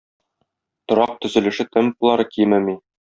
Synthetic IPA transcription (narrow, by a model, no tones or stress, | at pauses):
t̪ŏɾɑq̚t̪ɵ̆zɘ̆lɘ̆ʃɘt̪ɘmpulˠɑɾɤkijmɘmi